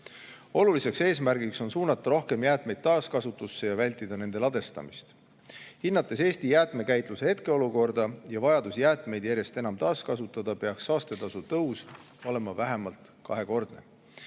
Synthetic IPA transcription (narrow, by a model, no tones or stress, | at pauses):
o̞lulise̞kse̞ːs̬mærɡikso̞nsuːnɑt̪ːˑɑɾo̞hke̞mjæːt̪ˑme̞jd̪̥̚t̪ːɑːskɑsut̪ːˑusːe̞jɑvælʲt̪ːˑid̪̥ɑne̞nd̪e̞lɑd̪e̞st̪ɑ̰mist̪ | hinːɑt̪ːˑe̞se̞ːst̪ijæːt̪me̞kæjt̪ˑluse̞he̞t̪ke̞o̞luko̞rd̪̥ɑjɑvɑjɑd̪usjæːt̪ˑme̞jd̪jæɾje̞st̪e̞nɑmt̪ɑːskɑsut̪ːˑɑd̪ɑpe̞ɑksɑːst̪e̞t̪ɑsut̪ɤuso̞le̞mɑvæɦe̞mɑlt̪ | kɑ̰ɦe̞ko̞rd̪̥ne̞